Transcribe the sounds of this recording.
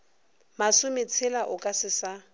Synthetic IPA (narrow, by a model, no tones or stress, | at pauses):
masʊmɪt͡sʰɪlaʔʊkʼasɪsa